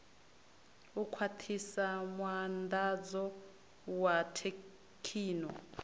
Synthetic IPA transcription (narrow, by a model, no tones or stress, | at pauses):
ukʰwatʰisamwandad͡zɔ | watʰe | kʰiːnɔ